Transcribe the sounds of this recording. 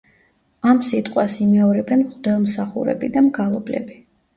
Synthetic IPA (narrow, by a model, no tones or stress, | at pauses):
amsit̪ʼqʼwasimɛɔɾɛbɛnmχʼd̪ɛlˠmsaχṵɾɛ̰bid̪amɡalˠɔblɛ̰bi